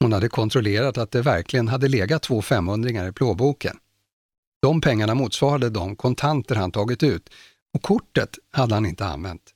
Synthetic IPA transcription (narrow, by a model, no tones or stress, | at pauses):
hʊnhad̪ːəkʰɔnt̪ʰɾɔleːɾat̪at̪̚d̪ɛvæɾklɪɡənɦad̪ːəleːɡat̪ʰːvoːfɛmːhɵnd̪ɾɪŋaɾɪpʰloːɡ̚buːkʰə̰n | d̪̥ɔmpʰɛŋːaɳamuːt̪svɑːɾad̪əd̪ɔmkʰɔnt̪ʰant̪əɾhant̪ʰɑːɡɪt̪ʉ̟ːt̪ | ɔkʰʊʈːət̪had̪ːəhanɪnt̪əa̰nvɛ̰nt̪